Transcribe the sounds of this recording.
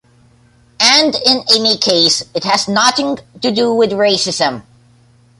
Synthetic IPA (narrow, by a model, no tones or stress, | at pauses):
ɨ̃ndɪ̃nɪmikʰeɪsɨt̚hɨznɑθɪ̃ŋtɨduwɪðɹeɪsɨzɨ̃m